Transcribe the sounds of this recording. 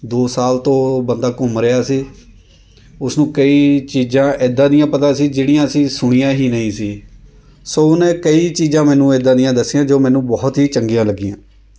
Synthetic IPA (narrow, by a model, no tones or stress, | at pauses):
d̪oːsaːlt̪õːbənd̪aːkʊmɾeaːsiː | ʊsnũːkəiːt͡ʃiːzãːʔɪd̪ːãːd̪ɪjãːpət̪ãːsiːd͡ʒeːɽijãːəsĩːsʊɽ̃ijãːɦiːnəĩːsiː | soːʊnẽːkəiːt͡ʃiːzãːmɛːnũːeːd̪ãːd̪ɪjãːd̪əsːɪjãːd͡ʒoːmɛːnũːbɔːt̪ɦiːt͡ʃəŋɡijãːləɡɪjã̰ː